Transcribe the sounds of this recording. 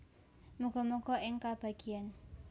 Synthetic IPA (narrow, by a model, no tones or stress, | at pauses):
muɡɔmɔkɔʔɪŋkab̥a̤ɡ̥ian